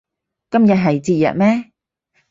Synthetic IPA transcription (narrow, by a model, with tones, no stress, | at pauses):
kɐ˥mjɐ˨t̚ɦɐ˨jt͡siː˧jɐ̰˨t̚mɛː˥